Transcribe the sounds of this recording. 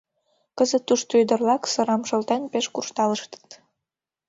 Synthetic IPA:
kəzət̪ːuʃt̪øjd̪ə̆rlɑksɤ̆ɾɑmʃə̆lt̪enpeʃkurʃt̪ɑləʃt̪ə̥t̪

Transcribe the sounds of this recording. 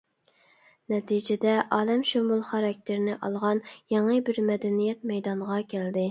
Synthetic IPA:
nɛt̪ʰid͡ʒɪd̪ɛʔɑːlɛmʃomulˠχɑɾɑk̚ʲt̪ʰɪɾnɪʔɑlˠʁɑnjɑŋəbɪɾmɛd̪ɛnijɛt̪̚mɛjd̪ɑɴʁɑkʲʰæld̪ɪ

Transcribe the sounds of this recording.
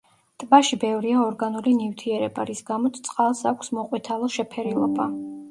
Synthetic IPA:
t̪ʼbaʃibɛvɾiaɔɾɡanulinivt̪ʰiɛɾɛba̰ɾisɡamɔt̪st̪sʼqʼalˠsakʷʰsmɔqʼwit̪ʰalˠɔʃɛpʰɛɾilˠɔba

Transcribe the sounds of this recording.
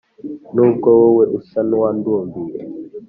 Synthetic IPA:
nɔŋkɔwɔweɗusanwanduɔmduɗɛ

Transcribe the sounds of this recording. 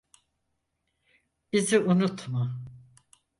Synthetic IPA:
b̥iziʔunut̪ʰmu

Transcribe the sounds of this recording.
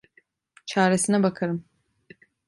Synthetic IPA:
t͡ʃʰaːɾesinabakʰaɾɯm

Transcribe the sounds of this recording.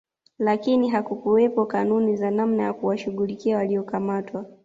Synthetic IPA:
lakiniɦakukuwɛpɔkanunizanamnajakuwaʃuɠulikiawaliɔkamatwa

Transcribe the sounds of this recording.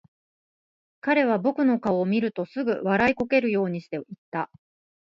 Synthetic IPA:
kaɾe̞β̞abo̞kɯ̟no̞kaoːmʲiɾɯ̟t̪o̞sɨɡɯ̟βaɾaiko̞ke̞ɾɯ̟jo̞ːɲ̟iɕi̥t̪eit̪ːa

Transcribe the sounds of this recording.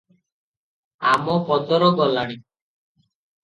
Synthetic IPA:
amɔpɔd̪ɔɾɔɡɔlaɽ̃i

